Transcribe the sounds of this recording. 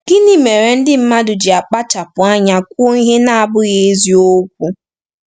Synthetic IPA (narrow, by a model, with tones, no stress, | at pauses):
ɡ̥ɪ˦ni˦me˨ɾe˨n̩˦dɪ˦m̩˦ma˦dʊ˨d͡ʒɪ˨a˨k͡pa˦t͡ʃa˨pʊ˨a˦ɲa˦kʷo˦i˦ɦe˦na˦a˨bʊ˦ɣe˦zi˦o˦kʷu˦